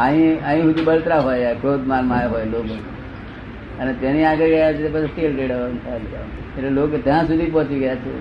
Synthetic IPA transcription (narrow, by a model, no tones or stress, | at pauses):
aɦĩãɦĩɦʊd̪ubəlt̪ɾaɦojakɾoːd̪manmajɦojloːɡo | ənet̪eniaɡəɾɡəjat͡ʃʰeepət͡ʃisʈ̪ilkəiɖəʋant̪ʰala̰ | eʈleloːket̪jãsud̪ʱipɔ̃t͡ʃiɡəjat͡ʃʰḛ